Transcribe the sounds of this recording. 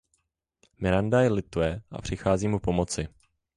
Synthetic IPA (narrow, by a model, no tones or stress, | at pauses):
mɪɾandajɛlɪt̪uɛʔa̰pr̝̥ɪxaːziːmupo̞mo̞t͡sɪ